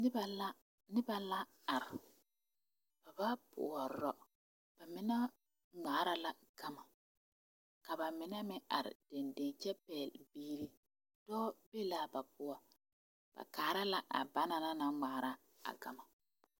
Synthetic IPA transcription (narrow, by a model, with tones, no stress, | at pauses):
nɪ˦ba˨la˦ | nɪ˦ba˨la˦ | a˨ɾ | b̥a˨ba˦pʰʊ̰˨a˨ɾɔ˦ | b̥a˨mɪ˨na˦ | ŋ͡maː˨˦ɾa˨la˨ | ɡ̥a˦ma˨ | ka˨ba˨mɪ˨na˦mɪ˦a̰˨ɾɪ̰˨d̥e˨nde˨ŋt͡ʃɛ˦pɛː˨lbiː˦ɾi˦ | d̥ɔː˦be˦laː˦˨ba˨pʊ˨a˨ | b̥a̰˨kaː˨ɾa˦la˨ʔa̰˨ba˦na˦na˦na˦ŋ͡maː˨˦ɾa˦ | a̰˨ɡa̰˨ma˨